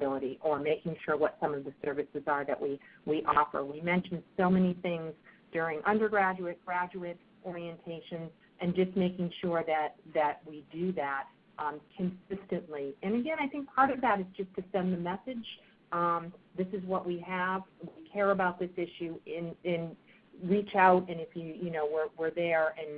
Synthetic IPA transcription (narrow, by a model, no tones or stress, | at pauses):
bɪlˠəɾiʔə˞meɪkɪ̃ŋʃʊɹwʌtsʌ̃mʌvðɨsɜ˞vɨsɨzə˞ðɨ̰ʔwiwiʔɔfə̰˞wimɛ̃nʃn̩d̥soʊmɛniθɪ̃ŋzd̥ʊɹɪ̃ŋʔʌ̃ndə˞ɡɹæd͡ʒʉɨt̚ɡ̥ɹæd͡ʒʉɨɾ | ʔɔɹiɨ̃ntʰeɪʃɨ̃nz | ʔɨ̃nd͡ʒʌsmeɪkɪ̃ŋʃʊɹðɨt̪̚ðɨt̚widɨðæt̚ | ʔkʰɨ̃nsɪstɨ̃nʔliɨ̃nɨɡɛ̃ñaɪθɪ̃ŋk̚pʰɑɹɾʌvðɨɾɨzd͡ʒʌstʰɨsɛ̃nðɨmɛsɨdd͡ʒ̥ | ʌ̃mðɪsɨzwʌʔwiəvwikʰɛɹɨbaʊt̪̚ðɪsɪʃʉɪ̃nɨ̃n | ɹit͡ʃaʊɾɨ̃nɨfjɨjɨnoʊwɪ˞wəɹðə˞ɨ̃n